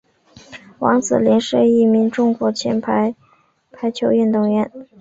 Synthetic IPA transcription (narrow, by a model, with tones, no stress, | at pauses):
wɑ˧˥ŋt͡sɹ̩̰˨˩ljɛ˧˥nʂə˥˧i˥˩mi˧˥ŋʈ͡ʂʊ˥˧ŋkwɔ˧˥t͡ɕʰjɛ̰˧˥npʰa˧˥ɪ | pʰa˧˥ɪt͡ɕʰjo˧˥ʊy˥˧nt̪ʊ˥˩ŋɥɛ˧˥n